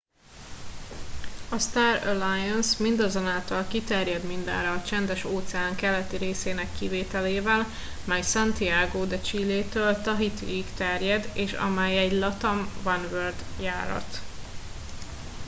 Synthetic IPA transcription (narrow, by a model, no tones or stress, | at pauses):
ɒst̪aːɾɛrlajɛnsmind̪ɒzonaːlt̪ɒlkit̪ɛrjɛd̪mind̪ɛ̰nrɒːt͡ʃɛnd̪ɛʃoːt̪sɛaːŋkɛlɛt̪iɾeːseːnɛkːiveːt̪ɛleːvɛl | mɛjsɛnt̪iaːɡoːd̪ɛt͡ʃileːt̪øːlt̪ɒɦit̪ḭikt̪ɛrjɛd̪eːʃɒ̰mɛjɛɟlɒt̪ɒmvɒnvørd̪jaːɾɒ̰t̪